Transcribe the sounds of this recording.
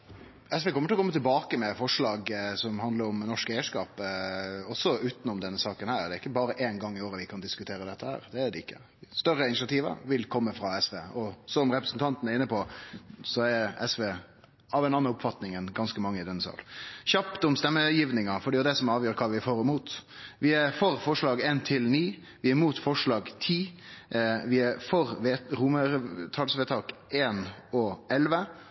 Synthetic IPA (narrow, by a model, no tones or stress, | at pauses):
ɛsʋekʰɔmːəʈ̪ʰɪlɔkʰɔmət̪ʰɪlbɑːkəmɛfɔʂɭɑːɡsɔmhɑnd̪ləɾɔmnɔʂkæɪəʂkɑːp | ɔsːɔʉːt̪nɔmd̪ɛnːəsɑːkənhæːɾd̪ɛɾɪkːəbɑːɾəʔeːnɡɑŋːɪoːɾəʋɪkʰɑnd̪ɪskʉt̪ʰeːɾəd̪ɛt̪ːəhæ̰ːɾd̪ɛːd̪ɛɪkːə̰ | st̪œɾːəɪnɪsɑt̪ʰiːʋə̰ɾʋɪlkʰɔmːəfɾɑɛsʋeːɔsɔmɾɛpɾəsnt̪ʰɑnt̪ənɛɾɪnːəpɔsɔɛɾɛsʋeː | ɑʋɛnɑnːɑʊpfɑt̪nɪŋɛnɡɑnskəmɑŋːəɪd̪ɛnsɑ̰ːlçɑpt̪ɔmst̪ɛmːəjiːʋnɪŋɑfɔɖiːʊd̪ɛsɔmɑːʋjøːɾəkʰɑːʋɪæfoːɾəmuːt̪ʋɪæɾfɔɾfɔʂlɑːɡeːnt̪ʰɪlniː | ʋɪæɾmuːt̪fɔʂɭɑːɡt̪ʰiː | ʋɪæɾfɔɾʋeːɾumət̪ʰɑːlsʋeːt̪ʰɑːkeːnɔʔɛlʋə